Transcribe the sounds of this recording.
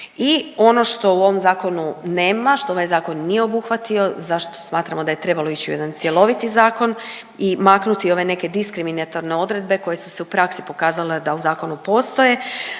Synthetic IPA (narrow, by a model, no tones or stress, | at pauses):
io̞no̞ʃt̪o̞uo̞ʋo̞mzaːko̞nune̞ːmaʃt̪o̞o̞ʋajzaːko̞nːijeo̞buxʋat̪io̞zaʃt̪o̥smaːt̪ɾamod̪aje̞t̪ɾe̞balˠo̞it͡ɕiṵe̞d̪ant̪sje̞lˠo̞ʋit̪izaːko̞n | imaknut̪io̞ʋe̞ne̞ke̞d̪iskɾiminat̪oɾne̞o̞d̪ɾe̞d̪̚be̞ko̞je̞su̥se̞upɾaksipo̞kaːzale̞d̪auzaːko̞nupo̞ːst̪o̞je̞